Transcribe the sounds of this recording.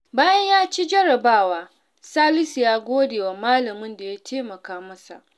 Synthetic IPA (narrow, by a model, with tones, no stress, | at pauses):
baː˦jɐ˦ɲjaː˦t͡ʃi˦d͡ʒɐ˦ɾɐ˨baː˦˨waː˦ | saː˦lɪ˦si˨jaː˦ɡʷoː˦deː˨wa˨maː˦lɐ˨mʊ˦nda˨jaː˦tʰeː˦mɐ˨kaː˦mɐ˦sa̰˨ʔ